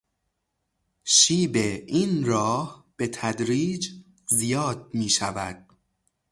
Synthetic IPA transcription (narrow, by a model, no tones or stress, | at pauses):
ʃiːbe̞iːnɾɒːhb̥e̞t̪ʰæd̪ɾiːd͡ʒ | zijɒːd̪̚miːʃævæ̰d̪̥̚